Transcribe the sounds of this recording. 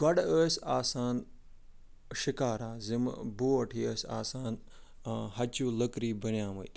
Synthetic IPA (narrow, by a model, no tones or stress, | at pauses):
kɐɗəːsaːsaːn | ʃɪkaːɾaːzɪm̰boːɐʈʰiːəsa̰ːsaːn | hɐt͡ʃuːlɐkɾiːbɐnjãːmɐit̪